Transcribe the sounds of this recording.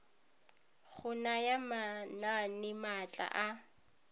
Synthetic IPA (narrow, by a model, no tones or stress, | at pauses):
ɣʊnajamananɪmat͡ɬʼa̰ʔa